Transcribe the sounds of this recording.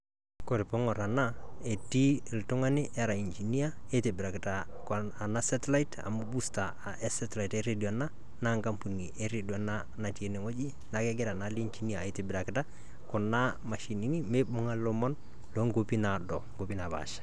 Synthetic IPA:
ko˨ɾɪ˨pɔ˦ŋɔ˨ɾa˨na˦e˨ti˦˨ltʊ˦ŋa˦nɪ˦ʔɛ˦ɾa˨i˨nd͡ʒi˨ni˦a˦e˦te˨bɪ˨ɾa˨kɪta˨ | k | a˨na˦sa˦tɛ˦la˦ita̰˨mu˦bu˦sta˨ɛ˦satla˨i˨tɛɾedi˨ɔ˨a˨na˦ | na˦ŋka˦mpu˨ni˨ʔɛ˦ɾe˨diɔa˨na˦ | na˨ti˨e˨nɛ˨ŋo˦d͡ʒi˦ | na˨kɛ˦ɡɛ˦ɾa˨nali˦nt͡ʃi˦ni˦ae˨te˨bɪɾa˨kɪta˦ | kʊ˨na˦ma˨ʃi˨ni˦ni˦me˦bʊ˦ŋa˦lɔ˦mɔ˦n | lɔ˦ŋɡopi˦na˨dɔ˨ŋɡo˨pi˦na˨ba̰ʃḁ

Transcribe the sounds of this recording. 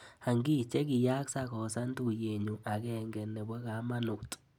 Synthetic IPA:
ha˨ŋɡi˦t͡ʃɛ˦ɡɪ˨ja˦ksa˦kɔ˨sa˦ntu˦˨je˨ɲu˨ʔa˨ɡɛ˦˨ŋɡɛ˨nːɛ˨bɔ˦ɡa˨˦ma˦nu˨tʼ

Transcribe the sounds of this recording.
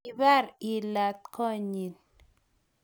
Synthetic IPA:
i˨ba˦˨ɾi˨la˨t̪̚kʰɔ˦ɲi˨n

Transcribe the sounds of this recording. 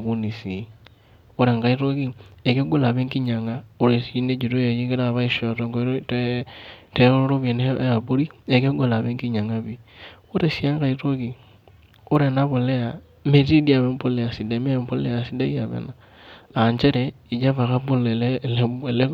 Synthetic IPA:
ku˦ni˨si˨ | o˦ɾe˨ŋɡa˦i˦ɾo˦ki˦e˨ke˦ɡo˦la˨βe˦ŋki˦ɲa˨ŋa˦o˦ɾe˨si˦ne˦d͡ʒu˨to˦jo˨ji˦ɡe˦ɾa˦˨βa˦i˦ʃo˨to˨˦ŋɡo˨˦ɾte˦te˦o˦ɾo˦ɾo˦βe˨ne˦a˨bo˦ɾi˦e˨ke˦ɡo˨la˨βe˦ŋɡi˦ɲa˨ŋa˦βi˦o˦ɾe˨ʃi˦a˦ŋka˦i˦to˦ki˨ | o˦ɾe˨na˦βo˨le˦a˨ | me˨ti˦di˦a˨βe˦mpo˦le˨a˨si˨de˨me˦˨mpo˦le˦a˨si˦da˦i˦a˨βḛ˨na | a˨ɲt͡ʃɛ˦ɾɛ˨ | i˨d͡ʒa˦βa˨ka˦bo˦le˨llbe˨le˦

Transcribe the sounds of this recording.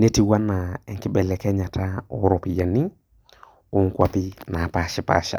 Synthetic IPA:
ne˦ti˨wa˦na˨ɛ˨ŋkɪ˦bɛ˨lɛ˨kɛ˦ɲa˨tʰa˦ɔ˦ɾɔ˨pi˨ja˨ni˦ | o˦ŋ˦kwa˦pɪ˦na˨pa˦ʃɪ˦pa̰˦ʃa̰˨

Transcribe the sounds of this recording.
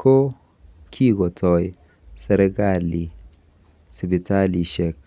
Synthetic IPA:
kʰo˦ | kʰi˦ɡɔ˨tʰɔ˨j | sɛ˨ɾɛ˦ɡa˦˨li˨ | si˨bi˨ta˦li˨ʃɛ˨k

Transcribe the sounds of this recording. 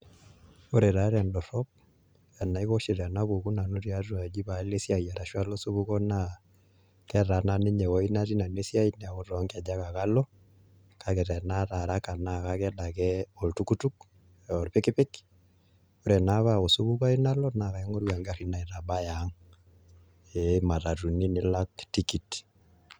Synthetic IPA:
o˦ɾe˨ɾa˦ɾɛ˨ndɔ˨ɾɔ˦b̚ | a˨na˨i˦ɣo˦ʃi˨ɾa˨na˦ko˨ku˦na˨no˦ɾi˦a˦tu˦a˨d͡ʒi˦ba˨˦le˦sja˨ja˨ɾa˨ʃwa˦lo˦su˦βu˦kɔ˦na˦˨ | kɛ˦ɾa˨na˦˨ni˦ɲɛ˨wɔ˦i˦na˦ɾi˦na˨ne˦sja˦i˦nɛ˨a˨o˨ɾɔ˨˦ŋka˨d͡ʒa˦ka˨ka˦lɔ˦ | ka˨kɛ˨tɛ˨na˦ɾa˨ɾa˦ka˨na˦˨ka˦kɛ˦da˨kɛ˦ɔ˨ltu˦ku˦tu˦k | ɛ˨ɔ˨ɾpɪ˦kɪ˦pɪ˦k | u˦ɾɛ˨na˦βa˦˨o˨su˦βu˦ka˦i˦na˦lɔ˦na˨ɣa˨ɛ˦ŋɔ˦ɾwa˨ŋɡa˨ɾi˦na˨i˨ɾa˨ba˦ja˨˦ŋ | e˨˦ma˨ta˨tu˨ni˦nɪ˦la˦kti˦ki˨t

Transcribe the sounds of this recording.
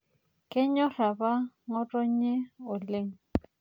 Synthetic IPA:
kʼɪ˦ɲɔ˦ra˨ba˦ | ŋɔ˦tʼɔ˦ɲ̩˦ɲe˦ʊ˨lɪ˦ŋ̩˨

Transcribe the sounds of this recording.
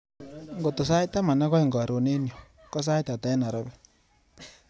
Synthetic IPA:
ŋɡo˨to˨sa˦i˦t̪a˦ma˨na˦ɣɔ˦i˨ŋɡɾo˨ne˦njo˨ | kɔ˦s̬a˦i˦t̪a˨ta˨ɛ˦na˨ɾɔ˦βɛ˦

